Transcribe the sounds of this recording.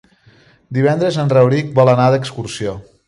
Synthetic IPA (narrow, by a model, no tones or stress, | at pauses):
d̪iβ̞ɛnd̪ɾəzənrəwɾik̚bɔlˠənaðəkskuɾsio